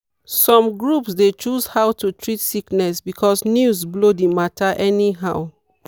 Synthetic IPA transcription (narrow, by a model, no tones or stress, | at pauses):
sɔ̃mɡɹupsdet͡ʃuzhawtʰutʰɹitsiknɛsbikʰɔsnjuzblodimatʰaʔɛniɦaʊ